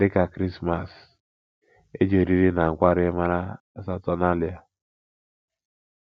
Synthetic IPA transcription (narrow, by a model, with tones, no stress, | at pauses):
dɪ˦ka˨kɾi˦sma˨s | e˦d͡ʒe˨ɾi˦ɾi˦na˨ŋ̩˨kʷa˦ɾɪ˦ma˦ɾa˦ | sa˦tɔ˦na˦li˨˦a˨